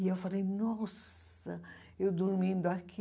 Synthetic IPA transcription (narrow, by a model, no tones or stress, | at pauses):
iewfalejnɔs | ɐ | ewd̪uɾmĩnd̪ʊakʰi